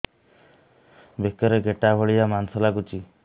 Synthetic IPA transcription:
bekːɔɾeɡeʈabʱɔɭiamansɔlakut͡ʃi

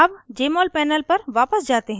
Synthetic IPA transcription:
ɐbd͡ʒeːmɔːlpɛːnəlpɐɾʋaːpəsd͡ʒaːt̪eɦɛ̃

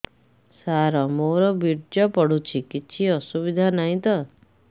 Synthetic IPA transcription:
saɾɔmoɾɔbiɾd͡ʒɔpɔɽ̤ut͡ʃʰikit͡ʃʰiɔsubid̪ʱanaɦĩt̪ɔ

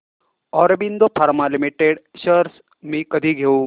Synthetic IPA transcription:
ɔːɾɐbind̪opʰaɾmalimiʈeɖʃəɾs | mĩkəd̪ʱiɡʱeu

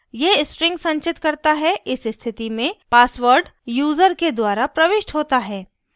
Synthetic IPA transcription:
jesʈɾɪ̃ŋɡsɐ̃ɲt͡ʃɪt̪kɐɾt̪aɦɛʔɪsɪst̪ʰɪt̪imẽpaːsʋəɾɖjuːzəɾked̪waːɾapɾɐʋɪʃʈɦoːt̪aɦɛː

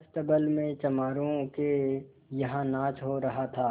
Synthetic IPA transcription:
st̪ɐbəlmẽt͡ʃɐmaːɾõke | jɐɦãnãːt͡ʃɦoɾɐɦat̪ʰaː

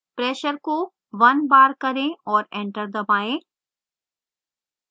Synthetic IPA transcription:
pɾeːʃəɾko | ʋɐnbaːɾkɐɾẽɔːɾẽːɳʈəɾd̪əmaːẽ

